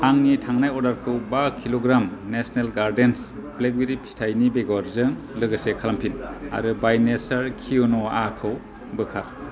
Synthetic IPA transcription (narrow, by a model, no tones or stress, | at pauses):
aŋnitʰaŋnajɔɾdaɾkʰɯwbakʰiloɡɾamnesnelɡaɾdenspleɡweɾipʰi̥tʰajnibeɡɔɾzɯŋ | lɯɡɯsekʰalampʰina̰ɾɯbajnesaɾkʰionɔaakʰɯw | bɯkʰaɾ